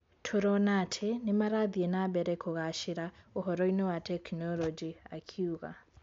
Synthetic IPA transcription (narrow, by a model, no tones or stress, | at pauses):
tʰoɾɔnatʰɛnemaɾaðiɛnabɛɾɛkʰoɣaʃiɾaoɦɔɾɔinɔwatʰɛknɔlɔd͡ʒia̰kʰiuɣa̰